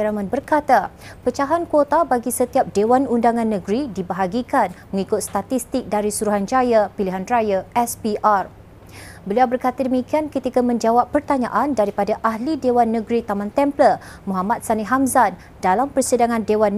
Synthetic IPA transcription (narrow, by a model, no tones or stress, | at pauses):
ɾamãnbərkat̪apət͡ʃaɦankwot̪abaɡisət̪iap̚dewanundaŋãnːəɡɾidibaɦaɡikanməŋikʊt̪̚st̪at̪ist̪ɪk̚daɾisuɾuɦand͡ʒajapiliɦanrajaɛspiʔar | bəliawbərkat̪adəmikiankət̪ikamə̃ɲd͡ʒawapːərt̪aɲa̰ʔandaɾipadaʔahlidewanːəɡɾit̪amãnt̪ɛmplə | muɦamat̪̚saniɦamzan | dalampərsidaŋãndewan